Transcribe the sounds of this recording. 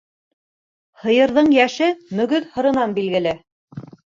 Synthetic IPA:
hɤ̆jɤ̆ɾðɤɴjæʃɘmɵ̆ɡɵðhɤ̆ɾɤ̆nɑnbilɡɘ̆lɘ

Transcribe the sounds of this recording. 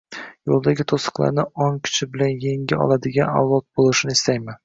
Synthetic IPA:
jolˠd̪aɡʲɪt̪ʰosɨ̥qlˠa̰ɾnɪɒŋkʲʰʊ̥t͡ʃʰɪbɪlanje̞ŋɡʲɪɒ̰lˠad̪ɪɡʲana̰wlˠɒt̪̚bolˠɪʃɪnɪɪst̪ajmɪn

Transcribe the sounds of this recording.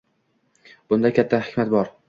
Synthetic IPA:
b̥ʊnd̪akʲʰat̪ʰːahɪkʲmat̪bɒɾ

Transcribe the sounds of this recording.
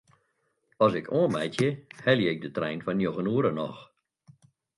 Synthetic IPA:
ɔsɪkʰoənmɛjtʰjəhɛljəɪɡ̚dətrɛjnfɔnjoxənuəɾənɔ̰x

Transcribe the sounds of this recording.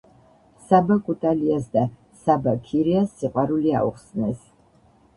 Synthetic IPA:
sabakʼut̪ʼaliasd̪a | sabakʰiɾiasːiqʼwaɾulia̰ṵχsnɛs

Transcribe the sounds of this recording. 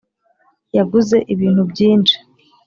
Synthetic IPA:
jaɡuze̞ʔiβiːn̥hubɟiːnʃi̥

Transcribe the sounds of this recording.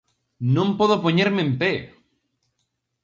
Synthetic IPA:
nõmpoðopoɲeɾmẽmpe

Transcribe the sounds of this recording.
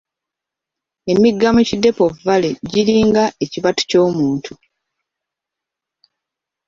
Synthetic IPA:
e̞miɡːamucide̞po̞vale̞ɟiɾiːŋɡaʔeciβatu̥co̞ːmuːntʰu

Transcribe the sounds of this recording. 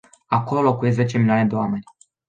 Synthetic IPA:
ako̞lo̞lo̞kuje̞s̬zet͡ʃe̞milioane̞d̪e̞oame̞nʲ

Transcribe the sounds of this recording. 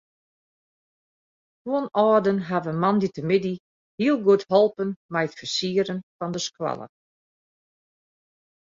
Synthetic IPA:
tuənɔːdənɦaʋəmanditəmɪdi | hiəlˠɡuəthɔlˠpənmɛjətfəsiəɾənfɔndəskwa̰lˠə̰

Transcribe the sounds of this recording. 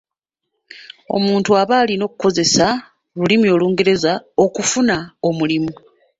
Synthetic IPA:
o̞̰muːntuaβaːlino̞ːkuko̞ze̞sa | lulimio̞luːŋɡe̞ɾe̞zao̞kufunao̞mulimu

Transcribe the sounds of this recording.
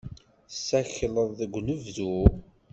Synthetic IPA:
sːæçləðˤðəɡʷnəvðu

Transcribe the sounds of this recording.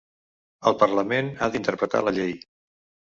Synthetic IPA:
əlˠpərləmenaðint̪əɾpɾət̪a̰ləʎej

